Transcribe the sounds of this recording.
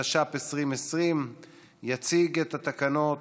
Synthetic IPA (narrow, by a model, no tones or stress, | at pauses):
aʃapesʁimesʁim | jat͡siɡet̪at̪akano̞